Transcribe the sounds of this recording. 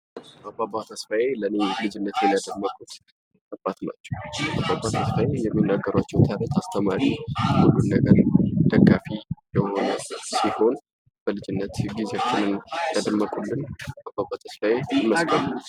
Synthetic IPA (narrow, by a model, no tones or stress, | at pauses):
ʔababat̪ʰəsfajelənelɨd͡ʒɪnːət̪jɛnjad̪əmːəkʼut̪ | ʔabʼːat̪na̰t͡ʃːɛwʔababːat̪ʰəsfajejɛmːinːaɡːəɾwat͡ʃːɛwt̪ʰaɾət̪ast̪ʰəmaɾihulːunːəɡəɾd̪̥əɡːafijɛho̞nəsiho̞n | b̥əlɨd͡ʒɪnːət̪ɡizewat͡ʃːɪnɨnjad̪əmːəkʼulːɨnabːabat̪ʰəsfajeməskʼə